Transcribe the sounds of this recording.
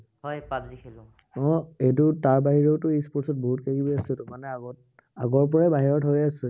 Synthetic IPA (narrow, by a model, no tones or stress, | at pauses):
hɔjpabzikʰilʊ̃ | ɔ̃etʊtaɹbaɦiɹeʊtʊispɔɹsɔt̚boɦut̚kaɡibɔjasʊtʊmanɛaɡɔ | aɡɔɹp̬ɔɹɛbaɦiɹɔtɦojasʊ